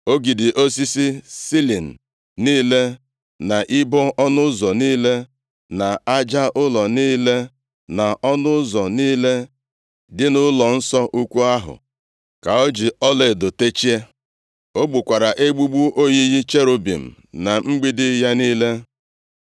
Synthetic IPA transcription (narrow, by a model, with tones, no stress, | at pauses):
o˦ɡi˨dɪ˨ʔo˦s̬i˦si˦si˦li˨n̩˨ | niː˦le˦ | na˨ʔɪ˦bɔ˦ʔɔ˦nʊ˦zɔ˨niː˦le˦ | na˨a˦d͡ʒa˦ʔʊ˦lɔ˨niː˦le˦ | na˨ʔɔ˦nʊ˦zɔ˨niː˦le˦ | dɪ˦nʊ˦lɔ˨n̩˦sɔ˦ʔu˦kʷu˦a˦ɦʊ̰˨ | ka˨o˦d͡ʒi˨ɔ˦le˨dʊ˨te˦t͡ʃi˦e˦ | o˦ɡ͡bu˨kʷa˨ɾa˨ʔe˦ɡ͡bu˦ɡ͡bu˦ʔo˦ɲi˦ɦi˦t͡ʃe˦ɾo˨bḭ˨m̩˨ | na˨ŋ͡m̩˦ɡ͡bi˦dɪ˦ja˦niː˦le˦